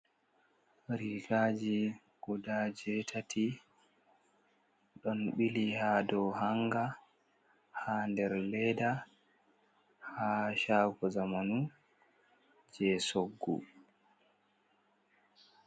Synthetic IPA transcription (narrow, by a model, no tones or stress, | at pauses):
ɾiɡad͡ʒi | ɡ̥ɔdad͡ʒɛtʰatʰi | ɗɔnɓilihaːdɔhaŋɡa | handɛɾlɛda | haʃaːɡɔzamanu | d͡ʒɛsoɡːṵ